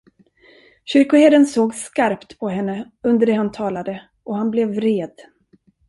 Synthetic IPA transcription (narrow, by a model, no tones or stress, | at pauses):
ɕʏɾkʊheːd̪ənsoːɡskaɾpt̪pʰɔɦɛnːə | ɵnd̪əɖɛhant̪ʰɑːlad̪ə | ʔɔhanblɛvɾeːd̪